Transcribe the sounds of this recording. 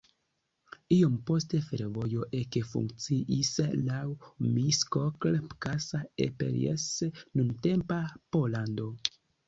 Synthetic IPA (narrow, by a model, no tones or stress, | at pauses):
iompo̞ste̞feɾvo̞jo̞ʔekefṵŋkt͡siʔislawmiskoklkasaḛpḛɾḛsnunte̞mpapo̞lando̞